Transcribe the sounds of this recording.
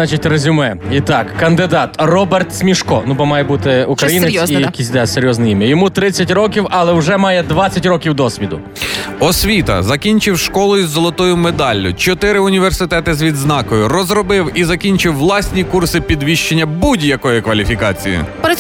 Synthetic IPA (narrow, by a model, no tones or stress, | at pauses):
ɑt͡ʃitʲrezʲʊmɛit̪ɑkːɐnd̪ɪd̪ɑt̪rɔbert̪sʲmʲiʃkɔnubɔmɑjɛbut̪ɪʊkɾɐjineijɐkʲisʲd̪ɑseɾʲjɔznɐjimʲjɐjɔmut̪ɾɪt͡sʲːɐtʲɾɔkʲiwɐlˠɛwʒɛmɑjɛd̪ʋɑt͡sʲɐtʲɾɔkʲiwd̪ɔsʲʋʲid̪ʊ | ɔsʲʋʲit̪ɐ̰zɐkʲinʲt͡ʃɪwʃkɔlˠɔjʊzːɔlˠɔt̪ɔjʊmed̪ɑlʲːʊt͡ʃɔt̪ɪɾɪʊnʲiʋersɪt̪ɛt̪ɪzʋʲid̪znɑkɔjʊrɔzɾɔbɪwizɐkʲinʲt͡ʃɪwːlˠɑsʲnʲikursɪpʲid̪ʋʲiʃt͡ʃenʲːɐbudʲjɐkɔjʊkʋɐlʲifʲikɑt͡sʲḭjʊ̰